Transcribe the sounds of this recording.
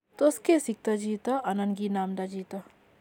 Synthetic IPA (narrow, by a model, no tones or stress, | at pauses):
t̪oskesik̚t̪ɐd͡ʒiːt̪ɐʔɐnɐnɡinaːmd̪ad͡ʒiːt̪ɐ